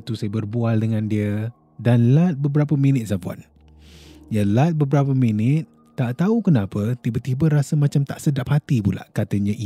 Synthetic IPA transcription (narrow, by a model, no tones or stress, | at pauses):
t̪usajəbərbualdəŋãndiə | danlat̪̚bəbəɾapəminɪt̪̚sapua̰n | jalat̪̚bəbəɾap̬əminɪt̪̚ːaʔt̪aukənapət̪ibət̪ibəɾasəmat͡ʃamt̪a̰ʔsədap̚hat̪ipula̰ʔkat̪əɲəʔi